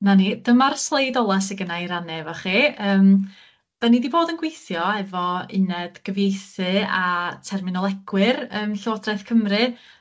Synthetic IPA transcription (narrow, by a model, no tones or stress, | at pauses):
nanid̥əmarslˠejdɔlˠasɛɡənaiɾanɛvaχiəːm | b̥ɛnidiboːdənɡ̥wejθjɔɛvɔɪ̰nɛd̥ɡ̥əvjejθɨatʰɛrmɪnɔlˠɛɡ̥wɨrəːmɬoːdrɛθkʰəmrɨ